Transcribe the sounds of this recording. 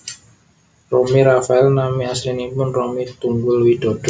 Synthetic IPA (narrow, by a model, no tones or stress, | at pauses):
romiɾafaɛlnamiaslinipʊnromit̪uŋɡʊlwid̪̥o̤d̪̥ɔ